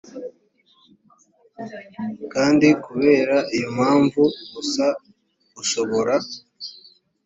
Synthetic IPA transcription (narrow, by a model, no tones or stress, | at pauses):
kaːndikuβe̞ːɾaʔijomhaːɱvuɡusa | ɡuʃo̞βo̞ɾa